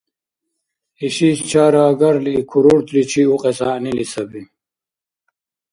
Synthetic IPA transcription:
iɕist͡ɕʰaːɾaːɡɐɾlikʰuɾoɽt̪lit͡ɕʰiuqʼesanilisɐbin

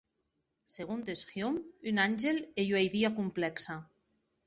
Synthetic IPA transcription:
seɣunt̪esxjomynanʲʒeleʎwajðiakumplɛksa

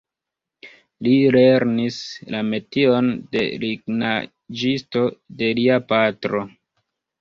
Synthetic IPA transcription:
lile̞ɾnislame̞tio̞nde̞̰liɡna | d͡ʒisto̞de̞liapatɾo̞

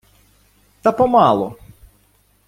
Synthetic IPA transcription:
t̪ɐpɔmɑlˠɔ

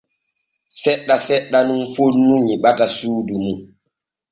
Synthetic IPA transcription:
sɛɗːasɛɗːanunfonːuŋiɓatasuːdumu

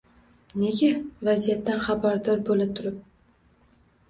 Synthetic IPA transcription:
ne̞ɡʲavazijat̪ːanχabaɾd̪ɒɾbolɪt̪ʰʊɾɪp̚

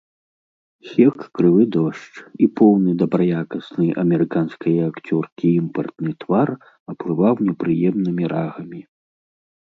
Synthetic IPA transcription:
xʲɛkːɾɨvɨd̪ɔʂt͡ʂipɔwnɨd̪ɐbɾɐjakɐsnɨjʔɐ̰mʲɛɾɨkanskɐjɐakt͡sʲɔrkʲiimpɐrt̪nɨt̪var | ɐplɨvawnʲɛpɾɨjɛmnɨmʲiɾaɣɐmʲi

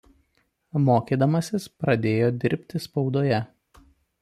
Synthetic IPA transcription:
moːkʲiːd̪ɐmɐsʲɪspɾɐd̪ʲeːjoːd̪ʲɪɾʲpʲt̪ʲɪspɒʊd̪oːjɛ

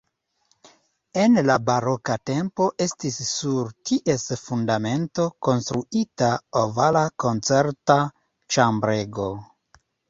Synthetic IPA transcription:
e̞nlabaɾo̞kate̞mpo̞ʔe̞stisːuɾtiʔe̞sfundame̞nto̞ko̞nst̪ɾuitaovalako̞nt͡se̞ɾta | t͡ʃambɾe̞ɡo̞

